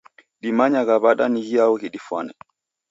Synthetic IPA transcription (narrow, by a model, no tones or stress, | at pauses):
ɗimaɲaɣaβaɗaniɣiaɔɣiɗifwanɛ